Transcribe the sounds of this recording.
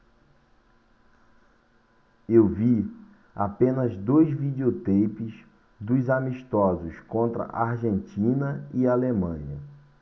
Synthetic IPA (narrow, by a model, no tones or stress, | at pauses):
ewvi | a̰pẽnɐzd̪ojzvid͡ʒeot̪ejpɪs | d̪ʊzamiʃt̪ɔzʊskõnt̪ɾɐ̰ʔaɾʒẽnt͡ʃĩnɐialemɐ̃ɲɐ